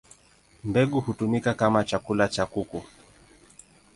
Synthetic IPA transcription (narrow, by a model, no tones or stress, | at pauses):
mbɛɠuhutumikakamat͡ʃakulat͡ʃakuku